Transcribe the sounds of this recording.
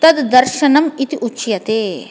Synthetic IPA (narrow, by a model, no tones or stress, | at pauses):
t̪ɐd̪ːɐɾʃɐnɐmit̪iʔut͡ʃjɐt̪eː